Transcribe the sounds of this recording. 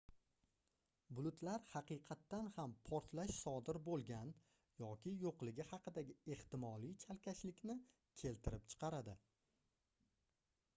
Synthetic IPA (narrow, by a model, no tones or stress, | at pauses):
bʊlˠʊt̪ʰlaɾhɑqɨjqʰɑt̪ːanhampʰɒɾt̪laʃsɒd̪ɪɾbolˠɡʲan | jɒkʲɪjoqlˠɪɡʲɪhɑqɨd̪aɡʲɪe̞ht̪ɪmɒlˠijt͡ʃʰalkʲʰaʃlɪkʲnɪ | kʲʰe̞lt̪ʰɪɾɪpt͡ʃʰɨ̥qɑɾad̪ɪ